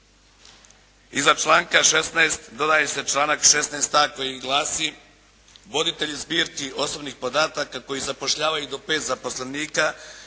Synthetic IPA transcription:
izat͡ʃlˠaːŋkaʃe̞snaest̪d̪o̞d̪aje̞se̞t͡ʃlˠaːnakʃe̞snaest̪aːko̞jiɡlˠaːsi | ʋo̞d̪it̪e̞ʎizbiːɾkiʔo̞so̞bnixpo̞d̪aːt̪akako̞jizapo̞ʃʎaːʋajud̪o̞pe̞ːt̪zapo̞sleniːka

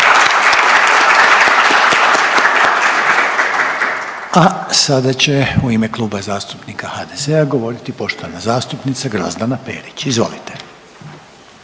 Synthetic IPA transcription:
asad̪at͡ɕe̞uimeklˠuːbazaːst̪u̥pnikahad̪ezeaɡo̞ʋo̞ɾit̪ipo̞ʃt̪oʋanazaːst̪upnit̪saɡɾa̰zd̪anapḛːɾit͡ɕizʋo̞̰lit̪e̞̥

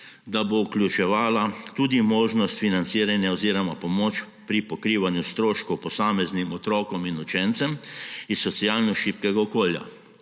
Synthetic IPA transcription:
d̪abouklʲjut͡ʃɛʋaːlat̪uːd̪imoːʒnɔst̪finant̪siːɾanjaɔziːɾɔmapɔmoːt͡ʃ | pɾipɔkɾiːʋanjust̪ɾoːʃkɔwpɔsaːmɛznimɔt̪ɾɔːkɔminut͡ʃɛnt̪sɛmisːɔt̪sialnɔʃiːpkɛɡaɔkoːlja̰

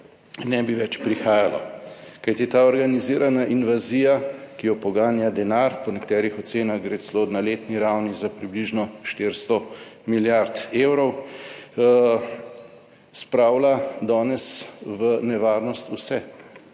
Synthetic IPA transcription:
nɛbiʋɛt͡ʃpɾixaːjalɔ̰kajt̪it̪aːɔɾɡaniziːɾanaʔinʋaziːjakijɔpɔɡaːnjad̪ɛnaɾpɔnɛkt̪ɛːɾixɔt̪seːnaɣɡɾeːt̪slod̪naleːt̪niɾawnizapɾibliʒnɔʃt̪ɪɾst̪ɔmiljaɾt̪eːwɾɔw | spɾawlad̪ɔːnɛsʋənɛʋaːɾnɔst̪usɛ

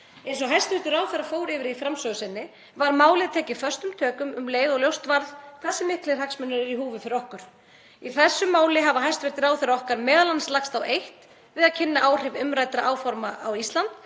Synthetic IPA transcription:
ɛjns̬ɔɦajst̪vɪht̪ʏɾaːwθɛɾafoːwɾɪːvɪɾifɾamsœɣʏsɪnːɪ | vaɾmaːwlɪðat̪ʰɛːcɪfœrst̪ʏmt̪ʰœːkʏmʏmleːjɣɔɣljowst̪vaɾðkʰθɛsːɪmɪhklɪ̥haksmʏnːʏɾɪɾiɦuːvʏðfɪɾɪɾɔhkʏɾ̥ | iθɛsːʏmaːwlɪɦavaɦajst̪vɪ̥t̪ɪɾawθɛɾːaɔhkaɾmɛːðalanslaxst̪awejht̪ | vɪðaðcʰɪnːaʔaːwr̥ɪvʏmɾaːjt̪ɾaʔaːwfɔɾmaʔawist̪lant̪

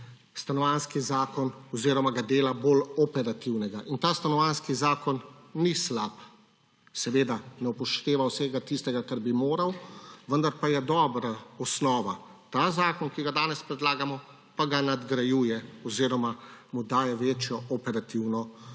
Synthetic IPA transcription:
st̪anɔʋanskizaːkɔnɔziːɾɔmaɡad̪eːlaboːlɔpɛɾat̪iwnɛɡaʔint̪aːst̪anɔʋanskizaːkɔnːislap | sɛʋeːd̪anɛupɔʃt̪eːʋawsɛːɡat̪ist̪ɛɡakaɾbimoːɾawʋənd̪aɾpajɛd̪ɔːbɾaɔsnɔːʋa | t̪aːzaːkɔnkiɡad̪aːnɛspɾɛd̪laːɡamɔ | paɡanad̪ɡɾajuːjɛɔziːɾɔmamud̪aːjɛʋeːt͡ʃjɔʔɔpɛɾat̪iwnɔ

